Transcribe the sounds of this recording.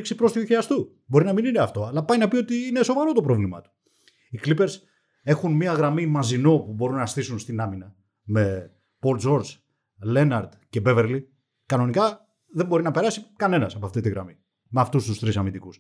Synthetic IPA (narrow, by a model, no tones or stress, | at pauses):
ksipɾo̞st̪iuçiɐst̪u | bo̞ɾinɐminineɐft̪o̞ɐlɐpɐjnɐpio̞t̪iine̞so̞vɐɾo̞t̪o̞pɾo̞vlimɐ̰t̪u̥ | iklipe̞ɾs | e̞xunmiɐɣɾɐmimɐzino̞pubo̞ɾunːɐsθisunst̪inɐminɐ | me̞ | po̞lzo̞ɾs | le̞nɐɾd̪ce̞be̞ve̞ɾli | kɐno̞nikɐ | ðembo̞ɾinɐpeɾɐsikɐne̞nɐsɐpoɐft̪it̪iɣɾɐ̰mi | meɐft̪ust̪ust̪ɾisɐmind̪ikus